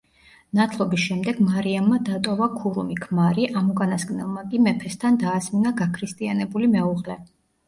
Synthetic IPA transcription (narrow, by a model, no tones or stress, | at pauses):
nat̪ʰlˠɔbisʃɛmd̪ɛɡ̥maɾiamːad̪at̪ʼɔvakʰuɾṵmikʰmaɾiʔamukʼanaskʼnɛlˠmakʼimɛpʰɛst̪ʰand̪aːzminaɡakʰɾist̪ʼianɛbulimɛuʁlɛ